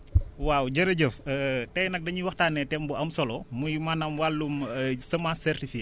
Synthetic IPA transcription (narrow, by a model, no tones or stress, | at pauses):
wawɟɐɾɐɟəftɐjnɐk̚dɐɲiwɐxtaːnːɛtɛmbuʔɐmsɔlɔmujmanɐmwalːumsɐmasɛrtifi